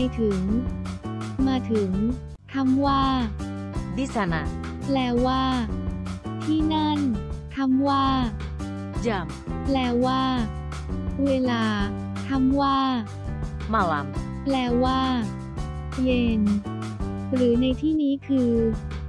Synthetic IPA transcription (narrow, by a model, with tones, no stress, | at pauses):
jt̪ʰɯ˩˦ŋ | maː˧t̪ʰɯ˩˦ŋ | t̪ʰa˧˥˩mwaː˥˩ | di˦˥sa˧na˧plɛː˧waː˥˩ | t̪ʰiː˥˩na˥˩nt̪ʰa˧˥˩mwaː˥˩ | ja˧˩m | plɛː˧waː˥˩ | weː˧laː˧ | t̪ʰa˥˩mwaː˥˩ | ma˧˩la̰˧m | plɛː˧waː˥˩ | je˧n | ɾɯː˩˦na˧jt̪ʰiː˥˩niː˦˥kʰɯː˧